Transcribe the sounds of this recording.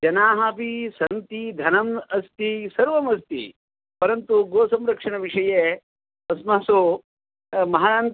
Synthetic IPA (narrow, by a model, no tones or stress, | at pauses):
d͡ʒɐnaːɦapisɐnt̪id̪ʱɐnɐmɐst̪isɐɾʋɐmɐst̪ḭ | pɐɾɐnt̪uɡoːsɐmɾɐkʂɐɳɐʋiʂɐje | ɐsmɐɦɐso | mɐɦan